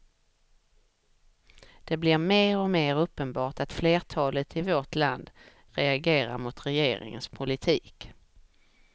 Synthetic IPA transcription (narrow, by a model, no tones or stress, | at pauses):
d̪̥ɛblɪɾmeːɾɔmeːɾɵpːənbɑːʈat̪fleːʈʰɑːlət̪ʰɪvoʈland̪ | ɾɛaɡeːɾa̰ɾmʊt̪ɾɛjeːɾɪ̰ŋə̰nspʰʊlɪt̪ʰiːk